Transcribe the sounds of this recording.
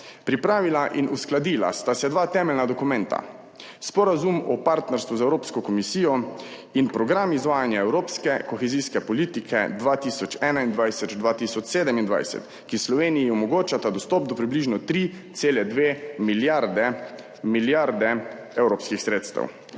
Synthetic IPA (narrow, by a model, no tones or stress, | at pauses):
pɾipɾaːʋilaʔinʔusklad̪ila̰st̪asɛd̪ʋaːt̪ɛːmɛlnad̪ɔkumɛ̃nt̪a̰ | spɔɾazumɔpaɾt̪nɛɾst̪ʋuzaɛwɾoːpskɔkɔmisiːjɔ | inpɾɔɡɾamizʋaːjanjaɛwɾoːpskɛkɔxɛziːskɛpɔliːt̪ikʰɛ̰d̪ʋaːt̪isɔt͡ʃɛːnaind̪ʋajsɛd͡ʒd̪ʋaːt̪isɔt͡ʃseːd̪ɛmind̪ʋa̰jsɛ̰t̪ | kislɔʋeːnijiɔmɔɡoːt͡ʃat̪ad̪ɔst̪ɔp̚d̪ɔpɾibliʒnɔt̪ɾi | t̪seːlɛd̪ʋeːmiljaɾd̪ɛ | miljaɾd̪ɛ | ɛwɾoːpskixsɾeːt̪st̪ɛ̰w